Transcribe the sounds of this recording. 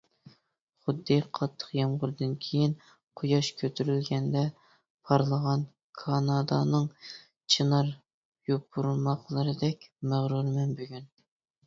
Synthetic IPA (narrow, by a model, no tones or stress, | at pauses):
χʊd̪ːɨqʰɑt̪ʰːə̥qjɑmʁʊɾɨd̪ɨnkʲʰejin | qʰojɑʃkʲʰøt̪ʰyɾylɡʲɛnd̪ɛ | pʰɑɾlˠəʁɑn | kʰɑnɑd̪ɑ̰nɨŋ | t͡ʃʰinɑɾ | jop̚ːuɾulˠmɑχlˠɨɾɨd̪ɛkʲmæʁɾuɾmɛnbøɡʲyn